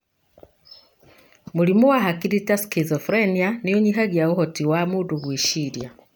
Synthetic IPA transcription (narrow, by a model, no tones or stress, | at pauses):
mulimuwaɦakiɾitaskizɔfɾenianijoɲiɦaɣjaɣuhɔtiwamuduɣwiʃiɾja